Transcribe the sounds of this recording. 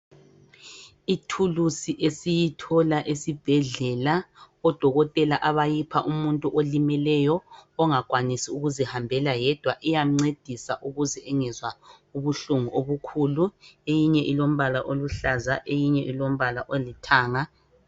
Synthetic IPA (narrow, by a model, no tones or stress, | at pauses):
itʰulusiʔesijitʰɔlaʔesib̥ʱɛɮɛla | ɔd̥ʱɔɣɔtʼɛlaʔaβajipʰaʔumuntʼuʔolimɛlɛjɔːŋakʼwanisiuɣuzihambʱɛlajɛd̥ʱwaʔijam̩ŋ͡ǀed̥ʱisaʔuɣuzɛɛŋɛzwa | uβuɬuŋuʔoβukʰuːluejiɲɛʔilom̩βalaʔoluɬazaʔejiɲɛʔilom̩βalaʔolitʰaːŋa